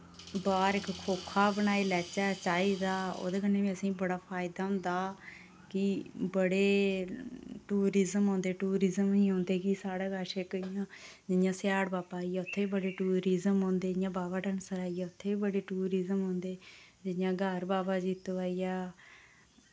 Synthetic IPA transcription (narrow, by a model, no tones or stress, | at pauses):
baːɾɪkkʰoːkʰːaːbənaːiːlɛːt͡ʃɛːt͡ʃaːiːd̪aːo̰ːd̪eːkənːeːʋĩːəsĩːbəɽaːpʰaːɪd̪aːɦʊ̃nd̪aː | kɪbəɽeː | ʈuːɾiːzəmɦõːnd̪eːʈuːɾiːzəmĩːɦõːnd̪eːkisaːɽeːɡaːɾʃeːkəijãːd͡ʒɪjãːsjaːɽbaːpaːiːɛːʊt̪ʰːeːiːbəɽeːʈuːɾiːzəmɦõːnd̪eːd͡ʒɪjãːbaːbaːʈʰənsəɾaːijɛːʊt̪ʰːeːiːbəɽeːʈuːɾiːzəmɦõːnd̪eːd͡ʒɪjãːɡʱəɾbaːbaːd͡ʒiːt̪ːaːijaː